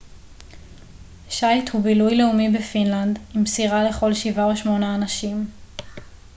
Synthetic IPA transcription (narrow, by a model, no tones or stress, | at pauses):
ʃajt̪hubilujleumibefinlandimsiʁale̞χo̞lʃivaoʃmo̞naːnaʃim